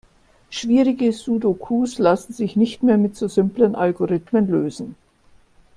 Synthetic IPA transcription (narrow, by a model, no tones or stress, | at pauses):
ʃv̥iːʁɪɡəzuːdokʰuːslasn̩zɪçnɪçtmeːɐmɪtz̥oːzʏmplənʔalɡoʁɪtmənløːzn̩